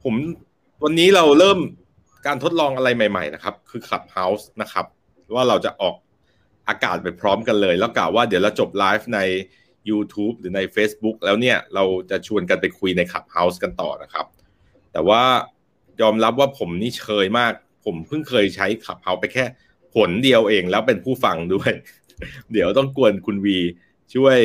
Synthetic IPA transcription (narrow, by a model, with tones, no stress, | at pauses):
pʰo˩˦m | wa˧nːiː˦˥ɾa˧wɾɤː˥˩m | kaː˧nt̪ʰo˦˥t̪̚lɔː˧ŋʔa˧ɾa˧jma˨˩jma̰˨˩jna˦˥kʰa˦˥p̚kʰɯː˧kʰla˨˩p̚ha˦˥wsna˦˥kʰa˦˥p̚ | waː˥˩ɾa˧wt͡ɕa˨˩ʔɔː˨˩k̚ | ʔaː˧ka̰ː˨˩t̪̚ma˨˩jpʰɾɔː˦˥mka˧nlɤː˧jlɛː˦˥wkla̰ː˨˩wːaː˥˩d̪i˩˦wɾa˧wt͡ɕo˨˩p̚laː˦˥jf̚na˧jː | uː˧t̪ʰuː˦˥p̚ɾɯː˩˦na˧jfeː˦˥sbu˦˥k̚lɛː˦˥wni˥˩ɐɾa˧wt͡ɕa˨˩t͡ɕʰu˧ənk̬a˧npa˧jkʰu˧jna˧jkʰa̰˨˩p̚ha˦˥wska˧nt̪ɔ̰ː˨˩na˦˥kʰɾa˦˥p̚ | t̪ɛː˨˩waː˥˩ | jɔː˧mɾa˦˥p̚waː˥˩pʰo˩˦mniː˦˥˩t͡ɕʰɤː˧jmaː˥˩k̚ | pʰo˩˦mpʰɯ˥˩ŋkʰɤː˧jt͡ɕʰa˦˥jkʰa˨˩p̚ha˦˥wpa˧jkʰɛː˥˩ | pʰo˩˦ndi˧əwʔeː˧ŋlɛː˦˥wpe˧npʰuː˥˩fa˧ŋdu˥˩əj | di˩˦əwt̪ɔ˥˩ŋku˧ənkʰu˧nwiː˧ | t͡ɕʰu˥˩əj